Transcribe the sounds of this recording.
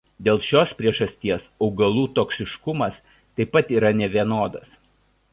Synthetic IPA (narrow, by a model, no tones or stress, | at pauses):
d̪ʲeːlˠʃʲoːspʲɾʲiɛʒɐsʲt̪ʲiɛsɒʊɡɐlˠuːt̪oːksʲɪʃkʊmɐs | t̪ɐɪpːɐt̪iːɾɐnʲɛʋʲiɛnoːd̪ɐs